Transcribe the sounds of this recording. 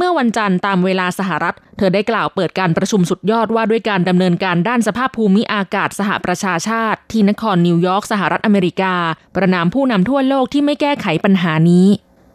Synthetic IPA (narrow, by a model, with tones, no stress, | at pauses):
mɯ˥˩ɐwa˧nt͡ɕa˧nt̪aː˧mweː˧laː˧sa˧ɦa˨˩ɾa˦˥t̪̚ʰːɤː˧daː˥˩jklaː˨˩wpɤː˨˩t̪̚kaː˧npɾa˧t͡ɕʰu˧msu˨˩t̪̚jɔː˥˩t̪̚waː˥˩du˥˩əjkaː˧nda˧mnɤː˧nkaː˧ndaː˥˩nsa˧pʰaː˥˩pʰːuː˧mi˦˥ʔaː˧kaː˨˩t̪̚sa˧ɦa̰˨˩ʔpɾa˧t͡ɕʰaː˧t͡ɕʰaː˥˩t̪ʰːiː˥˩na˦˥kʰɔː˧nːi˧wjɔː˦˥k̚sa˧ɦa˨˩ɾa˦˥t̪̚ʔa˧meː˧ɾi˦˥kaː˧pɾa˧naː˧mpʰuː˥˩na˧mt̪ʰu˥˩ɐloː˥˩k̚t̪ʰiː˥˩ma˥˩jkɛː˥˩kʰa˩˦jpa˧nɦaː˩˦niː˦˥